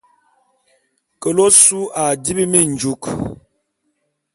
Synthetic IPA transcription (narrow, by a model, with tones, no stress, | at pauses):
kə˨lo˦su˦a˨di˦bi˦mi˦˨n̩˨d͡ʒu˨k